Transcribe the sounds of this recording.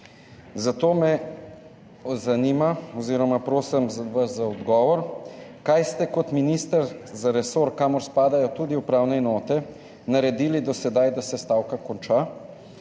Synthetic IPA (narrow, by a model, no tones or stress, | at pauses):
zat̪oːmɛ | zanimaɔziːɾɔmapɾoːsɛmʋaszaɔd̪ɡɔːʋɔɾkajst̪ɛkɔt̪minist̪ɐɾzaɾɛsoːɾkaːmɔɾspaːd̪ajɔt̪ud̪iupɾaːwnɛnɔːt̪ɛ | naɾɛd̪iːlid̪ɔsɛd̪ajd̪asɛst̪awkakɔnt͡ʃa